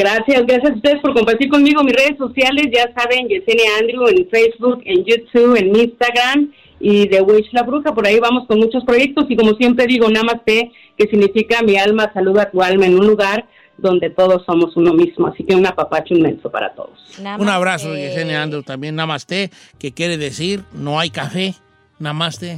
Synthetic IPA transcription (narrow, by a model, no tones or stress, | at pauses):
ɡɾasjasɡɾasjas̬aust̪e̞ðespo̞ɾko̞mpaɾt̪iɾko̞nmiɣo̞misre̞ð̞e̞so̞sjale̞sʝasaβe̞nʝeseneand̪ɾuenfejzβuke̞njut̪uβe̞nminst̪aɣɾam | iðe̞wit͡ʃlaβɾuxapo̞ɾaiβamo̞sko̞nmut͡ʃo̞spɾo̞ʝe̞k̚t̪o̞siko̞mo̞sje̞mpɾe̞ðiɣo̞namast̪e̞ | ke̞siɣnifikamialmasaluðoat̪ualmaenũnluɣaɾ | d̪o̞nd̪e̞t̪o̞ð̞o̞sːo̞mo̞suno̞mizmoa̰sikeunapapat͡ʃinmẽ̞̰nso̞pa̰ɾa̰t̪o̰ðosunaβɾasoʝeseneand̪ɾut̪ambjenːamast̪e | kekjeɾeðesiɾno̞ajkafe | namast̪e